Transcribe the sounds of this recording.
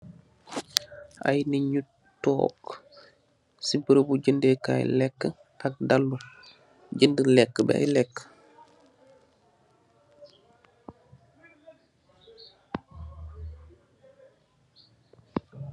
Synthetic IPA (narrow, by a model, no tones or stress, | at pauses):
ʔa̰jniɲut | tːɔ̰ːk | sibəɾəbuɟəndeka̰jlɛkːə | tak̚dalːu | ɟəndəlɛkːəbɛ̰a̰jlɛkːə̥